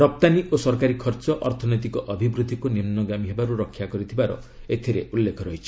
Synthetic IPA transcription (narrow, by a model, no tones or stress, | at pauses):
ɾɔp̚t̪aniʔosɔɾkaɾikʰɔɾt͡ʃɔʔɔɾt̪ʰɔnɔjt̪ikɔʔɔbʱibɾud̪ʱːikunimnɔɡamiɦebaɾuɾɔkʰːjakɔɾit̪ʰibaɾɔ̰ | et̪ʰiɾeulːekʰɔɾɔɦit͡ʃʰi̥